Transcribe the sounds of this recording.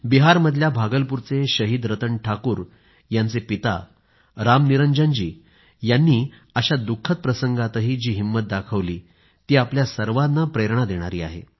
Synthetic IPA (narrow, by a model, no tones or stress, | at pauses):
biɦaɾməd̪ʱljabʱaɡəlpuɾt͡seɕəɦiːd̪ɾət̪əɳʈʰakuːɾ | jant͡sepit̪a̰ | ɾamniɾənd͡ʑənd͡ʑiː | janːiː | əɕad̪ukʰːət̪̚pɾəsəŋɡat̪əɦiːd͡ʑiːɦimːət̪̚d̪akʰəʋliː | t̪iːapljasəɾʋanːapɾeɾɳ̃ad̪eɽ̃aɾiːa̰ɦḛ